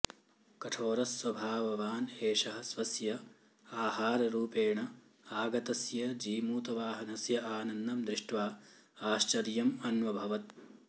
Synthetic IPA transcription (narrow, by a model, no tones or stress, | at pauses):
kɐʈʰoːɾɐsʋɐbʱaːʋɐʋaːneːʃɐɦɐ̆sʋɐsjɐ | aːɦaːɾɐɾuːpeːɳɐ | aːɡɐt̪ɐsjɐd͡ʒiːmuːt̪ɐʋaːɦɐnɐsjɐʔaːnɐnd̪ɐmd̪ɾiʂʈʋaː | aːʃt͡ʃɐɾjɐmɐnʋɐbʱɐʋɐt̪̚